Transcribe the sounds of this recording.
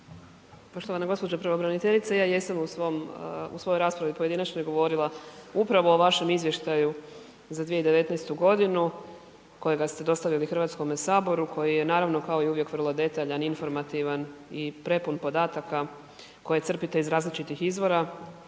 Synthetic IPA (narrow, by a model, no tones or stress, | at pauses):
po̞ʃt̪oanaɡo̞spod͡ʑepɾaʋobɾanit̪eʎit̪sejaːjesamusʋomṵso̞joɾaːspɾaʋipojed̪inat͡ʃnojɡo̞ʋo̞ɾilˠaupɾaʋo̞ːʋaʃe̞mizʋje̞ʃt̪aju | zad̪ʋije̞id̪e̞ʋe̞t̪nɛjst̪uɡo̞d̪inu | ko̞jeɡast̪e̞d̪o̞st̪aʋilixr̩ʋaːt̪sko̞mesaːbo̞ɾukʰo̞jije̞naːɾaʋno̞kaoiuʋjekʋr̩lˠo̞d̪e̞t̪aʎaninfo̞ɾmat̪iʋanipɾe̞punpo̞d̪aːt̪aka | ko̞jet̪sr̩pit̪eizɾaːzlit͡ʃit̪ixizʋo̞ɾa